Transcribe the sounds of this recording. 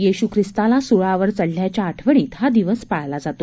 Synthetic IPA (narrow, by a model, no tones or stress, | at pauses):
jiɕukʰɾist̪alasuɭaʋəɾt͡səɭːjat͡ɕjaːʈʰʋəɳ̃iːt̪ɦad̪iʋəspaɭlad͡zat̪o